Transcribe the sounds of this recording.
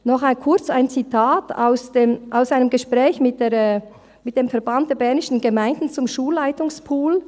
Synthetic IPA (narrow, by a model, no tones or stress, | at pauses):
nɔχaɪnkʰʊɐt͡saɪnt͡sitʰaːtʰa̰ʊsd̥eːmʔaʊsaɪnəmɡəʃpʁ̥ɛːçmɪt̚d̥eːɐɛː | mɪt̚d̥eːmfɛɐbant̚d̥eːɐbɛɐnɪʃn̩ɡəmaɪndn̩t͡sʊmʃuːlːaɪtʊŋspʰuːl